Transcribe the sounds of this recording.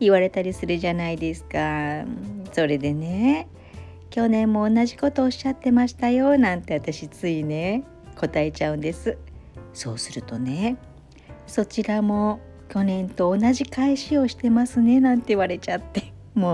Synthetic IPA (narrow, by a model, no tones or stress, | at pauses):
iβaɾe̞t̪aɾʲisɨɾɯ̟ʑanaid̪e̞sɨ̥ka | so̞ɾe̞d̪e̞ne | kʲo̞nẽ̞mːo̞ːnaʑiko̞t̪o̞ːɕiːat̪ːe̞maɕi̥t̪ajo̞nãnt̪e̞βat̪aɕit͡sɨine̞ | ko̞t̪ae̞t͡ɕaɯ̟̃nd̪e̞sɨso̞̰ːsɨɾɯ̟t̪o̞ne̞ | so̞t͡ɕiɾamo̞ | kʲo̞nẽ̞nt̪o̞ːnaʑikaiɕio̞ɕi̥t̪e̞masɨne̞nãnt̪e̞iβaɾe̞t͡ɕat̪ːe | mo